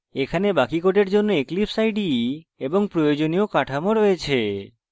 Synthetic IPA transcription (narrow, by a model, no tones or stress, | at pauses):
ekʰanebakikoʈeɾd͡ʒonːoeklipsajɖieboŋpɾojod͡ʑoniokaʈʰamoɾɦɔet͡ʃʰe